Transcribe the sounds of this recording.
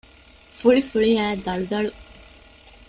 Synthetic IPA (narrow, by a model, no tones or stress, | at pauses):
fuɭifuɭiæːd̪ɐɭud̪ɐɭu